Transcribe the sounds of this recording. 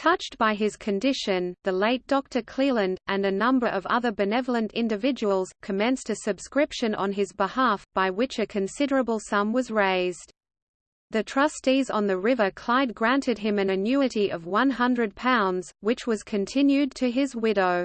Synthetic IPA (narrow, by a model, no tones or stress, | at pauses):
tʰʌt͡ʃtb̥aɪɪz̥kʰɨ̃ndɪʃɨ̃nðɨleɪt̚d̥ɔk̚tʰə˞kʰl̥ilˠɨ̃ndɨ̃nɨnʌ̃mbə˞ʔʌvʌ̰ðə˞bɨnɛvl̩ˠə̃ntɪ̃ndɨvɪd͡ʒɨwəl̩ˠz̥kʰɨmɛ̃nstɨsɨb̥skɹɪpʃɨ̃nʔə̰̃nɪzbəhæfb̥aɪwɪt͡ʃɨkʰɨ̃nsɪɾə˞ɨbəl̩ˠsʌ̃mwʌzɹeɪzd | ðɨtʰɹ̥ʌstizn̩ðɨɹɪvə˞kʰl̥aɪd̚ɡɹæ̃ntʰɨd̚ɨ̃mɨ̃nɨnjʉɨɾiʔʌvwʌ̃nɦʌ̃ndɹɨd̚pʰãʊ̃ndz̥wɨt͡ʃwʌz̥kʰɨ̃ntʰɪ̃njʉd̚tʰɨɪzwɪɾoʊ